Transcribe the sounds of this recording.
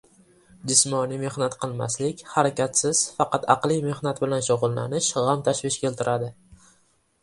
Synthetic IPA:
d͡ʒɪsmɒnime̞hnat̪qʰɨlˠma̰slɪkʲhaɾakʲat̪sɪz̥fɑqɑt̪ʰɑqlɪjme̞hnat̪bɪlanʃʊʁʊlˠːa̰nɪʃʁamt̪ʰaʃvɪʃkʲelt̪ʰɪɾʔad̪ɪ

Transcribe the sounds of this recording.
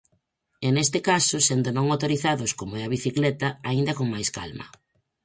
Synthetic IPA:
enest̪ɪkasʊsend̪ʊnõŋawt̪oɾiθaðʊskomoɛɐβ̞iθiklɛt̪ɐaind̪ɐkoŋmajska̰lmɐ̰

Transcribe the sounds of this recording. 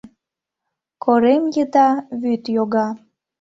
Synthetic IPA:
kʰoɾemjət̪ɑβyt̪joɣɑ

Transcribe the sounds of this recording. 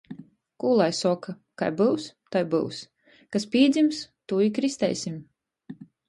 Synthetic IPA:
kuːlˠajsɔka | ka̰jbɨwst̪ajbɨ̰ws | kaspʲiːd̪zʲimst̪uːikɾist̪ɛ̰jsʲim

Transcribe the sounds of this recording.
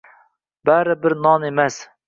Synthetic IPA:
bæɾɪbɪɾnɑnemɛs

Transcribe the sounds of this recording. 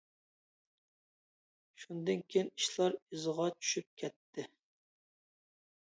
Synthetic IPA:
ʃund̪ɨnkʲʰejiniʃlˠɑɾizʁɑt͡ʃʰy̥ʃyp̚kʲʰɛt̪ʰːɪ

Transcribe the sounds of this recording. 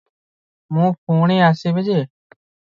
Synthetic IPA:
mũːpʰuːɳeːaːseːbed͡ʒeː

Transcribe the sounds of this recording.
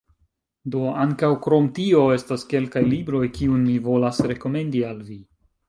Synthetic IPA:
do̞aŋkawkɾo̞mtio̞e̞staske̞lkajlibɾo̞jkiunmivo̞lasɾe̞ko̞me̞ndialvi

